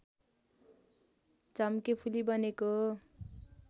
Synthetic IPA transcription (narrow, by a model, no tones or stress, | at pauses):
t͡sʌmkepʰulibʌneko